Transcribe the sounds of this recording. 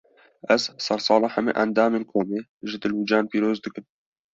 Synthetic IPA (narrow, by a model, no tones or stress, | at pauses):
ʔɛzsɛɾsˤɑːlɑːħæmɨ̰ʔɛnd̪ɑːmeːnkʰoːmeːʒɨd̪ɨlud͡ʒɑːnpiːɾoːzd̪ɨkɨm